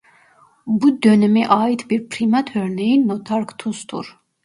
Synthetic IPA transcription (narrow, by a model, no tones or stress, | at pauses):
bud̪œnɛmiʔɑːit̪ʰbiɾpʰɾimat̪ʰœɾnɛinːɔt̪ʰaɾkʰt̪ʰust̪ʰṵɾ